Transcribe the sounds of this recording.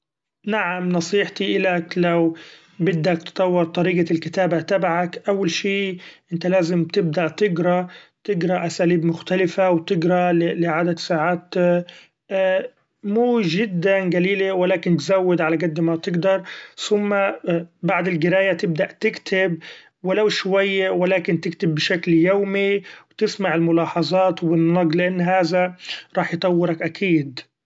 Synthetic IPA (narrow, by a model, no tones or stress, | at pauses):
naʕamnɑsˤiːħt̪iʔɪlaklaw | bɪd̪ːakt̪t̪ˤɑwːɪɾt̪ˤɑɾiːɡalkɪt̪aːbat̪abaʕakʔawːalʃiːʔɪnt̪alaːzɪmt̪ɪb̚d̪aʔt̪ɪɡɾˤɑt̪ɪɡɾˤɑʔasaːliːbmʊxt̪alɪfawt̪ɪɡɾˤalɪlɪʕaːd̪at̪saːʕaːt̪ | muːʒɪd̪ːanɡaliːlewalaːkɪnt̪zawːɪd̪ʕalaɡad̪ːmat̪ɪɡd̪ɑɾˤsʊmːabaʕd̪ɪlɡɪɾaːjat̪ɪb̚d̪aʔt̪ɪkt̪ʰɪb | wɪlawʃwajːwalaːkɪnt̪ɪkt̪ɪbːɪʃakljowmiwt̪ɪsmaʕɪlmʊlɑːħɑzˤɑːt̪wbɪnːɑɡlɪʔanːɦaːðaɾˤɑːħjt̪ˤɑwːɪɾɑkʔakʰiːd̪